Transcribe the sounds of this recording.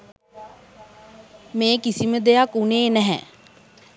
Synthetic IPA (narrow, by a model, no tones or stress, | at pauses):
mẽːkisiməd̪eakuneːnɛɦɛ̰̃